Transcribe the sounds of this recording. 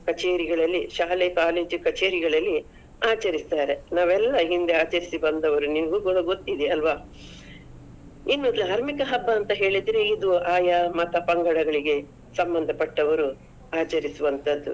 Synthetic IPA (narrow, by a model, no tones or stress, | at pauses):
kɐt͡ʃeːɾiɡɐɭɐlːiʃaːlekaːle̞ːd͡ʒkɐt͡ʃeːɾiɡɐɭɐlːi | aːt͡ʃɐɾist̪aːɾe̞naːʋɛlːɐɦind̪eaːt͡ʃɐɾisibɐnd̪ɐʋɐɾunimɐɡuːɡɔɽɐɡo̞t̪ːid̪eɐlʋaː | inːod̪luaːɾmikɐɦɐbːɐːnt̪ɐɦe̞ːɭid̪ɾeid̪uaːjɐmɐt̪ʰɐpɐŋɡɐɽɐɡɐɭiɡe̞ | sɐmbɐnd̪ʱɐpɐʈːɐʋɐɾu | aːt͡ʃɐɾisuʋɐnt̪ɐd̪ːu